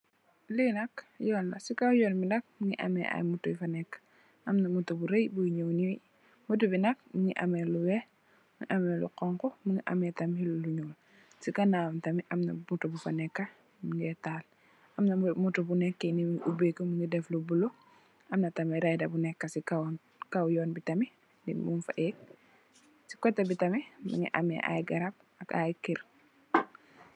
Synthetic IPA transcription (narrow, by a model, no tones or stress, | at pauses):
linɐkjɔːlːɐsikawjɔlbinɐk̚miŋḭʔa̰mɛ̰ʔa̰jmutubifanɛkːḁ | ʔɐmnɐmutubuɾejbuɲowniwi | mut̬ubinɐk̚miŋiʔa̰mɛluwɛ | miŋiʔamɛlṵqɔŋkɔmuŋiʔɐ̰mɛtɐmhiluluɲuːl | sikɐnamtɐmiʔɐmnɐ̰mutubufanɛkːa | miŋɡɛtaːl | ʔɐmnɐmmutubunɛkːɐnimiŋiʔubekəmuŋɡidɛflubulu | ʔɐmnɐtɐmɛɾajdɐbunɛkːɐsikaw | kawjɔːnbitɐmi | ndinmunfaʔɛk̚ | si̥kɔtːɐbitɐmimḭŋḭʔɐ̰mɛ̰ʔa̰jɡɐɾap̚ | ɐkajkiɾ